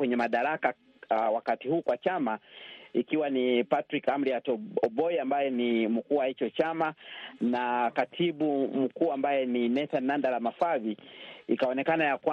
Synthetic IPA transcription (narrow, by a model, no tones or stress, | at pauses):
wɛɲɛmaɗaɾaka | wakatihuːkwat͡ʃamaikiwanipatɾikam̩ɾiatɔɔɓɔiambajɛnim̩kuːwahit͡ʃɔt͡ʃamanakatʰiɓum̩kuːambajɛninɛθanːandalamafaviikaɔnɛkanajakwa